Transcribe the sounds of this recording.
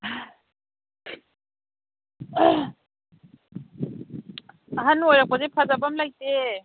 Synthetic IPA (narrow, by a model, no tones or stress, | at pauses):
ɦanojɾak̚pazepʰazabamlajte